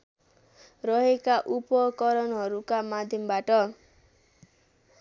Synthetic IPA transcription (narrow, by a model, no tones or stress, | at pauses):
rʌɦekaʔupʌkʌɾʌnɦʌɾukamad̪ʱjʌmbaʈʌ